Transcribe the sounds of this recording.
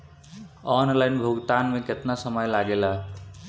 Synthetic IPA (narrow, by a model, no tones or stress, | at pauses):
ɔnlajnbʱoɡt̪anmẽket̪nasʌmʌjlaɡela